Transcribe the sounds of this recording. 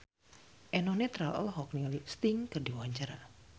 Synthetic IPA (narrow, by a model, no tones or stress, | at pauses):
ʔɛnɔnet̪ɾalə̰lɦɔk̚nilst̪iŋkɨrdiwawaɲt͡ʃaɾa